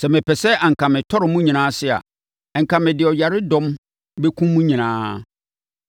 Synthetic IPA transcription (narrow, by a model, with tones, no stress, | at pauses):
sɛ˨mɪ̃˨pʰɛ˨sɛ˦ʔa˨ŋ̩˨kã˨mɪ̃˨tʰɔ˦ɾɪ˨mũ˦ɲĩ˨nãː˦sɪ˦a̰˨ | ŋ̩˨kʰã˨mɪ̃˨dɪ˨ɔ˨ja˨ɾɪ˦dɔ̃˦m | bɛ˦kʷʰũ˦mmːũ˦ɲĩ˨nãː˦